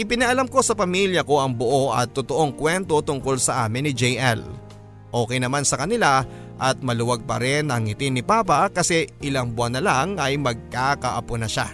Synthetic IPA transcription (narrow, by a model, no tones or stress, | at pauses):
ʔɪpɪnɐʔɐlamko̞sɐpɐmiljɐko̞ʔɐŋboʔo̞ʔɐ̰t̪ːʊt̪o̞ʔo̞ŋkwɛnt̪o̞t̪ʊŋko̞lsɐʔaːmɪnːɪd͡ʒɛjʔɛl | ʔo̞ːkɛjnɐmansɐkɐnɪla | ʔɐt̪̚mɐlʊwaɡ̚pɐ̰ɾɛnɐŋɪt̪ɪnːɪpaːpɐkɐsɛʔɪlaŋbʊanɐlaŋɐjmɐɡ̚kakɐʔɐponɐʃa̰